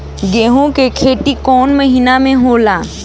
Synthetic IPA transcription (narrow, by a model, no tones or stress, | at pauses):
ɡeːɦõkekʰeːʈikɔːnmɐɦiːnamẽɦoːlaː